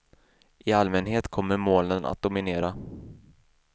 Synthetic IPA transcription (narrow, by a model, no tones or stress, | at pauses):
ʔɪalmɛnɦeːt̪kʰɔmːəɾmoːlənʔa̰t̪̚d̪ʊmɪneːɾa